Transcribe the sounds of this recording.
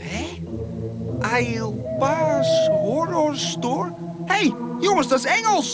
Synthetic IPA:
ɛ | ajilˠpasɦɔɾɔrstor | hejjʊŋəsdɔsɛŋəlˠs

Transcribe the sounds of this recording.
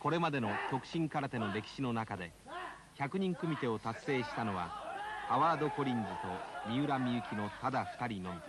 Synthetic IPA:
ko̞ɾe̞mad̪e̞no̞kʲo̞kɯ̥ɕĩŋkaɾat̪e̞no̞ɾe̞kʲi̥ɕino̞nakad̪e̞ | çʲakɯ̟ɲ̟ĩŋkɯ̟mʲit̪e̞o̞t̪asːe̞ːɕi̥t̪ano̞βa̰paβaːd̪o̞ko̞ɾʲĩnd͡zɨt̪o̞mʲiɯɾamʲiɯ̟kʲino̞t̪ad̪aɸɯ̥t̪aɾʲinõ̞m

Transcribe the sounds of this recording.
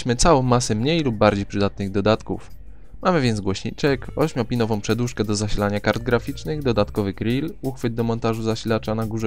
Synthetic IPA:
ɕmɘt̪sawɔ̃w̃ːasɛmɲejlub̚ːaɾd͡ʑejpʂɘd̪at̪̚nɘɣd̪ɔd̪at̪kṵf | mamɘvʲjɛnt̪zɡwɔɕɲḭt͡ʂɛkɔɕmʲɔpʲinɔvɔ̃w̃pʂɛd̪uʂkɛd̪ɔzaɕilaɲakaɾd̪ɡɾafʲit͡ʂnɘɣd̪ɔd̪at̪kɔvɘkɾʲiluxfɘd̪̚d̪ɔmɔnt̪aʐuzaɕilat͡ʂanaɡuʐɛ

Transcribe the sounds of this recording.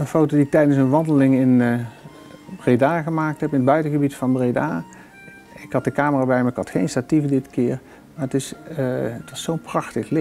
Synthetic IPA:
ənfowtodiɪk̚tɛjdənsənʋɑndəlɪŋɪn | bredaːɣəmaːk̚tɦɛpɪnəd̚bœɥtəɣəbitfɑnbreda̰ː | ɪkɦɑt̚dəkaːməraːbɛjmaːɹɪkhɑtxejnstativədɪtkɪːɹ | maːətɪsətʋɑsːownprɑxtəχlɪ

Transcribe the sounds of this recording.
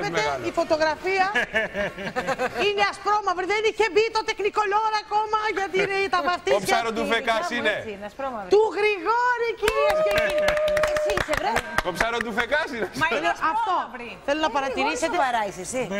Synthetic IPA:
vet̪eifo̞t̪o̞ɣɾɐfiɐ | ineɐspɾomɐvɾiðeinicebit̪ot̪e̞kniko̞ʎo̞ɾɐkomɐʝɐt̪iineit̪ɐmɐft̪iaɾot̪ufekɐsinenɐspɾoɐvt̪uɣɾiɣoɾiciɾiɐseiesisevɾet̪opsɐɾot̪ufekɐsinseloɐft̪oiθelonɐpɐɾɐt̪iɾiset̪eɐɾɐjsesi

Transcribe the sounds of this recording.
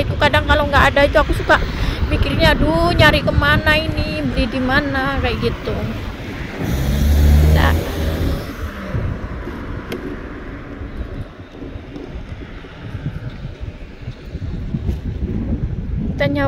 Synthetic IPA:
it̪ukadaŋkaloŋɡaʔːdait̪uakusukamikirɲaduɲaɾikəmanainibəlihdimanakajaʔɡit̪u | da̰ʔ | t̪aɲa

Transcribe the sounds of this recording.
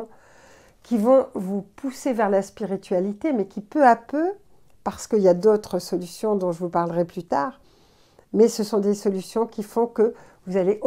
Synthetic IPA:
kʲivɔ̃vupusevɛʁlaspiʁit̪ɥalit̪emɛkʲipøapø | paʁsə̥kəiljad̪ot̪χəsɔlysjɔ̃d̪ɔ̃ʒəvupaʁləʁɛplyt̪aːʁ | mɛsəsɔ̃d̪esɔlysjɔ̃kʲifɔ̃kə | vuzaleʔ

